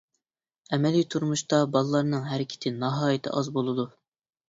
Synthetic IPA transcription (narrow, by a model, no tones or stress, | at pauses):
ɛmɛlijt̪ʰuɾmuʃt̪ɑbɑlˠlˠːɑɾnɨŋɦæɾɪkʲʰɪ̥t̪ʰɪnɑɦɑːjɪt̪ʰɪ̰ʔɑzbolˠɨd̪u